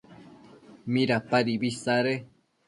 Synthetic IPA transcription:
mĩɾapaɾiβisaɾe

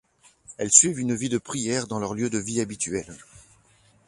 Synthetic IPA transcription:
ɛlsɥivynvid̪əpχijɛʁd̪ɑ̃lœʁljød̪əviabit̪ʰɥɛl

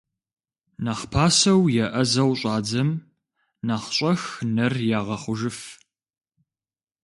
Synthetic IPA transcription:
naχpʰaːsɐwjɛʔɐzɐwɕʼɑːd͡zɐm | naːχɕʼɐxnɐrjaːʁɐχʷʊʒɨf

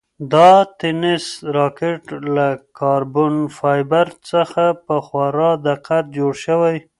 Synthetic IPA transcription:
d̪ɑt̪ɪnɪsɾɑkɪʈlakɑɾbʊnfɑjbaɾt͡səxapəxwɑɾɑd̪aqat̪̚d͡ʒoɽʃəwaj

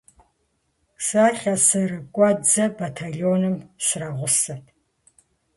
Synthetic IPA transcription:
saːɬɐsɨrɨkʷʼɔd͡zɐbatʰaɮioːnɨmsraʁʷʊsɐtʰ

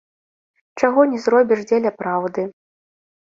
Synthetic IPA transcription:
t͡ʂaɣɔnʲɛzrɔbʲiʂd͡zʲelʲɐpɾawd̪ɨ

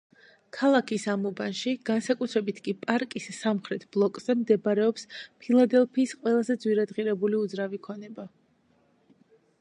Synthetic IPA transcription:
kʰalˠakʰisamubanʃiɡ̥ansakʼut̪ʰɾɛbit̪ʰkʼipʼaɾkʼisːamχɾɛt̪ʰb̥lˠɔkʼz̥ɛmd̪ɛbɾɛɔpspʰilˠad̪ɛlˠpʰiːsqʼwɛlˠazɛd̪zwiɾad̪ʁiɾɛbuliud̪zɾavikʰɔnɛba

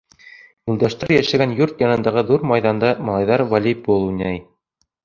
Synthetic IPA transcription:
mŭlˠd̪æʃt̪ɑɾjæʃæ̆ɡænjuɾt̪jɑnɤ̆nd̪ɑʁɤðuɾmɑjðɑnd̪ɑmɑlˠɑjðɑɾvɑlʲibulˠunʲæj

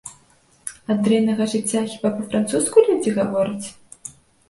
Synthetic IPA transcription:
ad̪ɾɛjnɐɣɐʐɨt͡sʲːaxʲibapɐfɾant̪suskulʲud͡zʲiɣavɔɾɨt͡sʲ

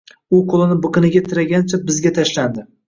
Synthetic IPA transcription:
ʊqʰolˠɪnɪbɨqɨnɪɡʲat̪ʰɪɾaɡʲant͡ʃʰabɪzɡʲat̪ʰaʃland̪ɪ

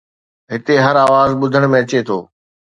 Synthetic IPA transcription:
ɦɪt̪eɦɐɾaːʋaːzɓʊd̪ʱəɽ̃mẽɐt͡ɕet̪ʰo̰ː

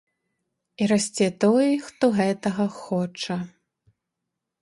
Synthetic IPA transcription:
iɾasʲt͡sʲɛt̪ɔjxt̪ɔɣɛt̪ɐɣɐxɔt͡ʂɐ

